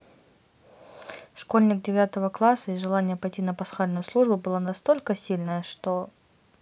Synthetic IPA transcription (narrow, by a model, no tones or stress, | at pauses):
ʂko̞lʲnʲɪk̚dʲɪvʲat̪əvəklˠasːəiʐɨlˠanʲɪjəpɐjtʲinəpɐsxalʲnʊjʊslˠuʐbʊbɨlˠanɐst̪o̞lʲkəsʲilʲnəjəʂt̪o̞